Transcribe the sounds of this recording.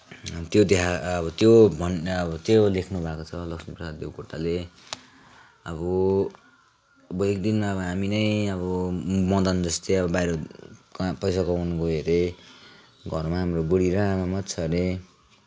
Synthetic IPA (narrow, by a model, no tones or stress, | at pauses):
t̪jod̪eɦaʌbʌt̪jobʱʌnʌbʌt̪jolekʰnubʱakot͡sʰʌlʌksiprʌsad̪djewkoʈːale | ʌbʌ | ʌbʌekd̪inmaʌbʌɦaminʌjʌbʌmʌd̪ʌnd͡zʌst̪eʌbʌbajɾʌkpʌjsakʌwnkoɦeɾe | ɡʱʌrmaɦamrobuɽiɾaanʌmʌt̪t͡sʰʌne